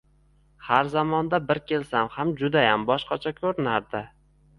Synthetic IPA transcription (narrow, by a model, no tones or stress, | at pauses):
haɾzamɒnd̪abɪɾkʲʰe̞lsamhamd͡ʒʊd̪ajambɒʃqɑt͡ʃʰakʲʰɵɾɪnaɾd̪ɪ